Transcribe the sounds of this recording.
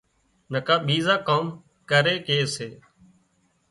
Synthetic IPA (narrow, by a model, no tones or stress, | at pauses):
nəkaːɓiːzaːkaːm | kəɾeːkeːseː